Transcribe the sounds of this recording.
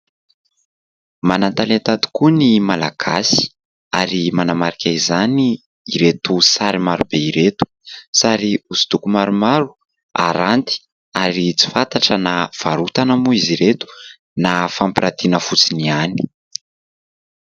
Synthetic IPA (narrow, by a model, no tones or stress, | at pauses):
manant̪alant̪at̪u̥kuənimalaɡ̥asi̥ | aɾimanamaɾikʲaizaniː | ɾet̪usaɾimaɾub̥eiɾet̪u̥saɾiuzi̥t̪ukumaɾumaɾu̥ | a̰ɾant̪i̥ | aɾit͡si̥fant̪aʈ͡ʂənav̥aɾut̪anamuiziɾet̪u̥ | nafampiɾat̪inəfut͡siniani̥